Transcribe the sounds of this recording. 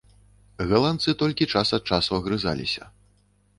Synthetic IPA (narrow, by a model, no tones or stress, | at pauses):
ɣɐlˠant̪sɨt̪ɔlʲkʲit͡ʂasɐt̪̚t͡ʂasuɐɣɾɨza̰lʲḭsʲɐ̰